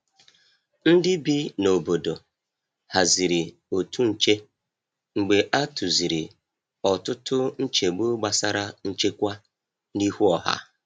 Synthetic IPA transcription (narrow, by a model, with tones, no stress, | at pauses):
n̩˦dɪ˦bi˦no˨bo˨do˨ | ha˨zi˨ɾi˨ | o˨tʰu˦n̩˨t͡ʃe˦ | ŋ͡m̩˨ɡ͡be˨ʔa˦tu˨zi˨ɾi˨ | ɔ˨tʊ˦tʊ˦n̩˦t͡ʃe˨ɡ͡bo˦ɡ͡ba˨sa˦ɾa˦n̩˦t͡ʃe˦kʷa˦ | ni˦hu˦ɔ˨ɦa̰˦